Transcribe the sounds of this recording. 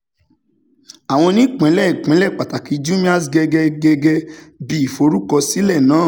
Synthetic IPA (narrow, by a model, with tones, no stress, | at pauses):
a˨w̃ɔ̃˧nĩ˦˨k͡pɛ̃˨˦lɛ˦˨i˨k͡pɛ̃˨˦lɛ˦˨k͡pa˨ta˨ki˨˦d͡ʒu˦mĩ˦a˦sɡɛ˧ɡɛ˧ɡɛ˧ɡɛ˧bi˦i˨fo˧ɾu˦kɔ˧si˦lɛ˦˨nãː˨˦˨